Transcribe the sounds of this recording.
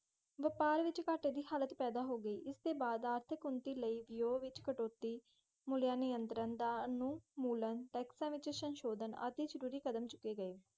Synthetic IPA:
ʋəpaːɾʋɪt͡ʃkaːʈeːd̪iːhaːlət̪pɛːd̪aːɦoːɡəiːʔɪst̪eːbaːd̪aːɾt̪ʰɪkʊnt̪iːləiːʋɪjoːʋɪt͡ʃkəʈoːt̪ːiː | mʊljaːnɪjənt̪ɾənd̪aːnũːmuːlənʈɛːksãːʋɪt͡ʃsənʃoːd̪ənə̰t̪eːd͡ʒəɾuːɾiːkəd̪əmt͡ʃʊ̥kːeːɡəeː

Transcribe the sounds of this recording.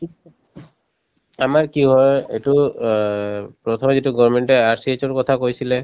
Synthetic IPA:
amaɹkiɦɔjḛtu | pɹɔt̪ʰɔmɛzituɡɔɹmɛntɛaɹsiet͡ʃɔɹkɔt̪ʰakojsilɛ

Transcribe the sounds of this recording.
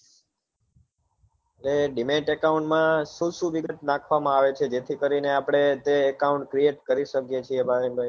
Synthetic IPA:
ɾeɖimẽʈekaũɳʈmãʃũʃũʋɪɡət̪nãkʰʋamãaʋet͡ʃʰed͡ʒet̪ʰikəɾineapɽ̃et̪eːkauɳʈkɾieʈkəɾiʃəkjet͡ʃʰiebʱaɾinbʱai

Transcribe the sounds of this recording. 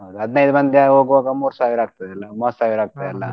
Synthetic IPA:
ɦod̪uɦɐd̪nɐjd̪umɐnd̪jaɦoːɡuʋaːɡɐmuːɾsaːʋiɾaːɡ̚t̪ɐd̪ɐlːɐmoɾsaːʋiɾaːɡ̚t̪ɐd̪ɐlːɐ̰

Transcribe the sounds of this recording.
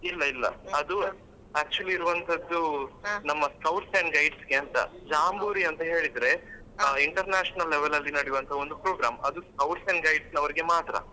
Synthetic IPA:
ilːɐilːɐ̰ɐd̪u | æːk̚t͡ʃuɐliːɾuʋɐnt̪ʰɐd̪ːunɐmːɐskɐwʈseɳɖɡɐjɖsɡeɐnt̪ɐ̰d͡ʒaːmbuːɾiɐnt̪ɐɦe̞ːɭid̪ɾe̞ | iɳʈɐɾnaːʂɐnɐlːeʋelɐlːinɐɽijuʋɐnt̪ʰɐo̞nd̪upɾoːɡɾa̰ːmɐd̪uskɐwʈsɐɳɡɐjɖsnɐʋɐɾiɡe̞maːt̪ɾɐ̰

